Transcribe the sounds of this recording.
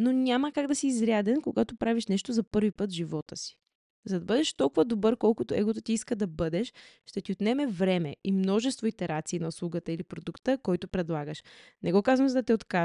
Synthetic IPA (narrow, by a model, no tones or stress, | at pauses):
nonʲaməkaɡd̪ɐsiːzɾʲjad̪ɛnkoɡat̪opɾaviʃnɛʃt̪ozɐpɤɾvipɤt̪ʒivɔt̪əsi̥ | zɐd̪ɐbɤd̪ɛʃt̪ɔlˠkʊvəd̪obɤɾkɔlˠkʊt̪ʊɛɡot̪ot̪iiskəd̪ɐbɤd̪ɛʃʃt̪ɛt̪iot̪nɛmɛvɾɛmɛ̰imnɔʒɛst̪voit̪ɛɾat̪siːnɐuslˠuɡət̪əilipɾod̪ukt̪əkɔjt̪ʊpɾɛd̪lˠaɡəʃnɛɡɔkazvəmzd̪ɐt̪ɛot̪ka